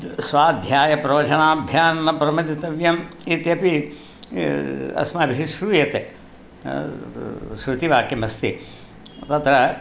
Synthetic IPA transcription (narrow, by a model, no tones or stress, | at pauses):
sʋaːd̪ʱjaːjɐpɾɐʋɐt͡ʃɐɳaːbʱjaːnːɐpɾɐmɐt̪it̪ɐʋjɐmit̪jɐpi | ɐ̰smaːbiʃiʃɾujɐt̪ḛ | ʃɾut̪iʋaːkemɐst̪ḭ | t̪ɐt̪ɾɐ